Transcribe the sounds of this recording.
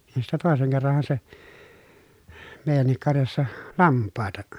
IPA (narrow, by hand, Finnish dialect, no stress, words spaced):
nin sitːæ toˑeseŋ kerːɑn̞hɑ se meˑi̯jænːik kɑrjɑsːɑ lɑmpːɑˑetɑ